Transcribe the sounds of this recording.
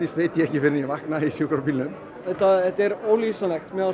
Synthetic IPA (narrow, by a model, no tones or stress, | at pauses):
ist̪veːjt̪ɪjɛhcɪfɪɾɪɾnjɛvahknaisjukɾaɾpiːlnʏm | ɛt̪ːaɛt̪ɛɾoːwlisalɛxt̪mɛða